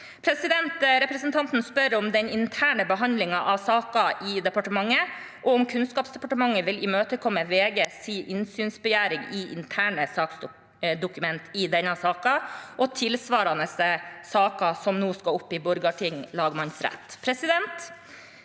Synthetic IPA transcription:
pʰɾɛsɪd̪ɛnt̪ɾɛpɾəsənt̪ʰɑnt̪n̩spœɾɔmd̪ɛnɪnt̪ʰæːɳəbəɦɑnd̪lɪŋɑʔɑʋsɑːkɑʔɪd̪ɛpɑʈəmɑŋːə | ʔɔʊmkʰʉnskɑːpsd̪ɛpɑʈəmɑŋːəʋɪlɪmøːt̪əkʰɔmːəʋeːɡəsiːʔɪnsyːnsbɛjæːɾɪŋɪʔɪ̰nt̪ʰæːɳəsɑːks | d̪ʊkʉmɛnt̪ɪd̪ɛnːɑsɑːkɑʔɔt̪ʰɪlsʋɑːɾɑnəsəsɑːkɑsɔmnuːskɑʊpːɪbʊɾɡɑʈʰɪŋlɑːɡmɑnsɾɛ̰t̪ːpʰɾɛsɪd̪ɛnt̪

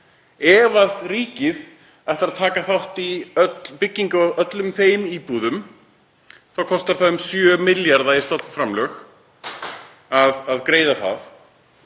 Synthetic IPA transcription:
ɛvaðriːcɪð | ajht̪ɾat̪ʰaːkaθawht̪iœpɪcːiŋkʏaðœt̪lʏmθejmiːpuðʏm | θawkʰɔst̪aɾ̥θamsjœmɪljaɾðaist̪owt̪nfɾamlœx | aðaðkɾeːjðaθa̰ð

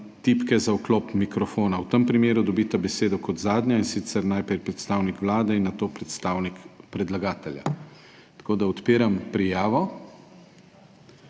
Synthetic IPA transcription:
t̪ipkɛzaukloːpmikɾɔfoːnawt̪əmpɾimeːɾud̪ɔbit̪abɛseːd̪ɔkɔt̪zaːd̪nʲjainsit̪sɛɾnajpɾɛjpɾɛt̪st̪aːwnikʋlaːd̪ɛinːat̪oːpɾɛt̪st̪aːwnikpɾɛd̪laɡaːt̪ɛlja̰ | t̪ɐ̥koːd̪aɔt̪peːɾampɾijaːʋɔ

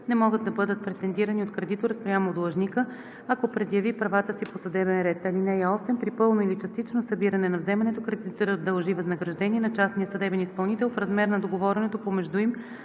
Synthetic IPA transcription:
nɛmɔɡəd̪ːɐbɤd̪ət̪̚pɾɛt̪ɛnd̪iɾɐniot̪̚kɾɛd̪it̪oɾspɾʲjamoːd̪lˠɐʒnikə | ɐkopɾɛd̪jɐvipɾɐvat̪əsiposɐd̪ɛbɛnɾɛt̪ɐlinɛjɛɔsɛmpɾipɤlˠnoilit͡ʃɐst̪it͡ʃnosɐbiɾɐnɛnɐvzɛmɐnɛt̪okɾɛd̪it̪oɾəd̪ɐlˠʒivɐznɐɡɾɐʒd̪ɛniɛnɐt͡ʃasnijəsɐd̪ɛbɛnispɐlˠnit̪ɛlˠfɾɐzmɛɾnɐd̪oɡovɔɾɛnɛt̪opomɛʒd̪uim

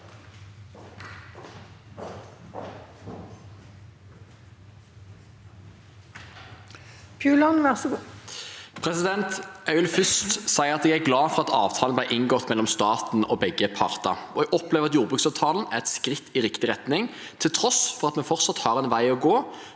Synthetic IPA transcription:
pʰjʉːlɑnʋæsɡ | pʰʁɛsɪd̪ɛnt̪ɑʉlfʏst̪sæɪəʁɑt̪ɛɡæɡlɑːfɔʁɑt̪ɑːʋt̪ʰɑːlnb̪læɪʔɪŋɡɔt̪ːmɛlːɔmst̪ɑːt̪n̩oːbɛɡːəpʰɑʁt̪ɑ̰ɔɛɡɔpleːʋʁɑt̪juːʁbʁʉːksɑʋt̪ʰɑːln̩æʁɛt̪skʁɪt̪ʰːiʁɪkt̪ɪʁɛt̪nɪŋ | t̪ʰɪlt̪ʰʁɔsfɔʁɑt̪mɛfɔʁt̪sɑt̪hɑːʁɛnʋæɪɔɡoː

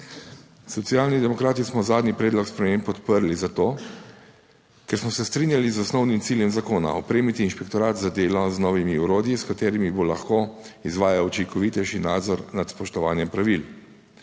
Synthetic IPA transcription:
sɔt̪siaːlnid̪ɛmɔkɾaːt̪ismɔzaːd̪nipɾɛːd̪lɔkspɾɛmempːɔt̪pəɾlizat̪oː | kɛɾsmɔsɛst̪ɾiːnjalizɔsnɔwnimt̪siːljɛmzakoːna̰ɔpɾeːmit̪iːnʃpɛkt̪ɔɾaːt̪zad̪eːlɔznɔːʋimiuɾoːd̪jiskat̪eːɾimibolaxkoːizʋaːjaut͡ʃiŋkɔʋiːt̪ɛʃinaːd̪zɔɾnat̪spɔʃt̪ɔʋaːnjɛmpɾaʋil

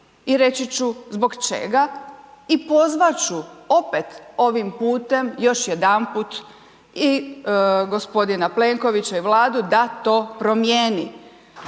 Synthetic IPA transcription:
iɾe̞t͡ɕit͡ɕuzbo̞ɡt͡ʃḛɡaipo̞zʋat͡ɕuo̞pet̪o̞ʋimpuːt̪e̞mjo̞ʃjed̪anput̪ | i | ɡo̞spo̞d̪inaple̞ŋko̞ʋit͡ɕaiʋlˠaːd̪ud̪at̪oːpɾo̞mjeːni

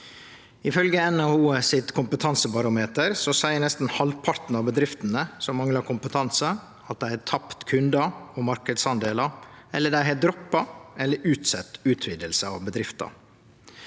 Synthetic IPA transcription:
ɪfœlɡəɛnɑʋuːəsɪt̪kʰʊmpət̪ʰɑnsəbɑɾʊmeːt̪əɾsɔsæɪənɛst̪n̩hɑlʋpʰɑɾt̪n̩ɑʋbəd̪ɾɪft̪ən̩əsɔmɑŋlɑkʰʊmpət̪ʰɑnsə | ɑt̪̚d̪æɪhæːt̪ʰɑpt̪kʰʉnd̪ɑɔmɑɾkəd̪sɑnd̪eːlɑɛlːəɖæɪɦæd̪ɾɔpːɑʔɛlːəɾʔʉːt̪sɛt̪ːʉːt̪ʰʋiːd̪əlsəɑ̰ʋbəd̪ɾɪft̪ɑ̰

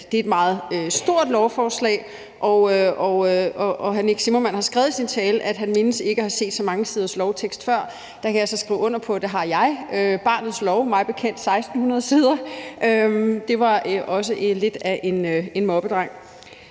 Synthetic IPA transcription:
d̥e̝ed̥mɑ̈ːð̩ˠøsd̥o̝ɐ̰d̥lɒʊfɒːslɛ̰ːɪ | ʔɒøɒɒʔɒɦæneɡ̥simomænhɑ̈sɡ̥ʁɛːʊð̩ˠsint͡sʰɛːləʔæd̥ɦænme̝nəse̝ɡ̥əhɑ̈se̝̰ːd̥sɒ̽mɑ̈ŋəsiːð̞ˠɐslɒʊt͡sʰeɡ̥sd̥fɶɐ̰ | d̥ɑ̈kʰæjasɒ̽sɡ̥ʁḭːʊɔ̽n̰ɐpʰɒ̽d̥eɦɑ̈jɑ̈ɪøb̥ɑ̈ːnð̞̩ˠslɒʊmɑ̈ɪb̥e̝kʰen̰d̥sɑ̈ɪsd̥n̩hunɐð̞ˠsiːð̞ˠɐʔømd̥e̝ʋɑ̈ʔɒ̽s̬əʔle̝d̥æʔe̝nøe̝nmɒ̽b̥əd̥ʁɑ̈ŋ̰

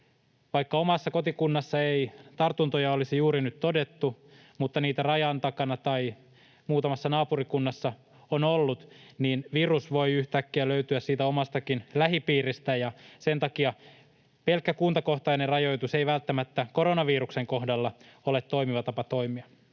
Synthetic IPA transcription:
ʋɑjkːɑomɑsːɑko̞t̪ikunːɑsːɑeit̪ɑrt̪unt̪ojɑolisijuːɾinyt̪to̞de̞t̪ːu | mut̪ːɑniːt̪ærɑjɑnt̪ɑkɑnɑt̪ɑj | muːt̪ɑmɑsːɑnɑːpurikunːɑsːɑ | onolːut̪niːnʋirusʋo̞jyht̪ækːiæløyt̪yæssiːt̪æo̞mɑst̪ɑkinlæɦipiːrist̪æjɑse̞nt̪ɑkiɑ | pe̞lkːækunt̪ɑko̞ht̪ɑjnerrɑjo̞jt̪use̞jʋælt̪ːæmæt̪ːæko̞ɾonɑʋiːɾukse̞ŋko̞hdɑlːɑolet̪tːo̞imiʋɑt̪ɑpɑt̪o̞jmiɑ

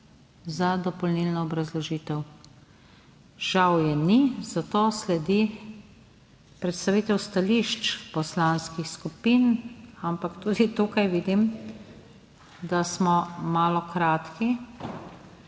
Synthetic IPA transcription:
zad̪ɔpɔlnilnɔːbɾazlɔʒiːt̪ɛw | ʒ̥awjɛnizat̪oːslɛd̪i | pɾɛt̪st̪aʋiːt̪ɛwst̪aliʃt͡ʃpɔslanskixskupinampakt̪uːd̪it̪uːkajʋiːd̪im | d̪asmɔmaːlɔkɾaːt̪ki

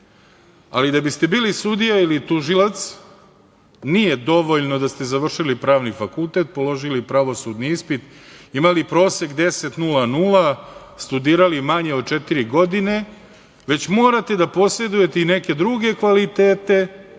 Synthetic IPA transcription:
alid̪abist̪e̞biːlisud̪ijailit̪uʒilat̪s | nije̞d̪o̞ʋo̞ʎno̞d̪ast̪e̞zaʋr̩ʃilipɾaːʋnifakulˠt̪e̞t̪̚po̞lo̞ʒilipɾaʋo̞sud̪niispit̪imalipɾo̞ːse̞kd̪e̞se̞t̪nulanuːla | st̪ud̪iːɾalimaɲeot͡ʃet̪iɾiɡo̞d̪ine̞ | ʋe̞t͡ɕmo̞ːɾat̪e̞d̪apo̞sɾe̞d̪uje̞t̪eine̞ke̞d̪ɾuɡe̞kʋalit̪e̞ːt̪e̞

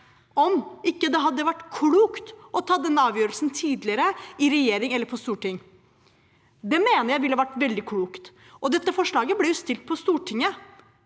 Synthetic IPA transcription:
ɔmɪkːəd̪ɛɦɑd̪ːəʋæʈːkʰluːkt̪ʔɔt̪ʰɑːd̪ɛnːəɑːʋjøːɾəlsnt̪ʰiːd̪lɪəɾəɪɾɛjeːɾɪŋɛlːəɾpʰɔst̪uːʈɪŋː | d̪ɛmeːnəɾjæɪʋɪlːəhɑʋæʈːʋɛld̪ɪkʰɽuːkt̪ | ʔɔd̪ɛt̪ːəfɔʂɭɑːɡəblɛjʊst̪ɪlt̪̚pʰɔst̪uːʈʰɪŋːə

